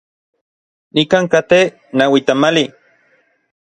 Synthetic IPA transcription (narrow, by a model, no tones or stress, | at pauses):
nikaːŋkat̪e | nawit̪amali